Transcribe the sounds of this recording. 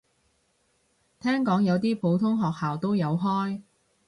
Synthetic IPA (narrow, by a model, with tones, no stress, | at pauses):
t̪ʰɛː˥ŋkɔː˨˥ŋjɐ˨˧wt̪iː˥pʰo˨˧˥wt̪ʰʊ˥ŋɦɔː˨k̚haː˨wt̪o˥wjɐ˨˧wɦɔː˥j